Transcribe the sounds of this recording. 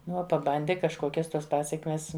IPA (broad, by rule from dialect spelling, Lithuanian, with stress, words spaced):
ˈnʊ ˈuɔ pɐˈbɐnʲdʲɪ kɐʃˈkoːkʲɛs ˈtuɔs ˈpɑːsʲɛkmʲɛs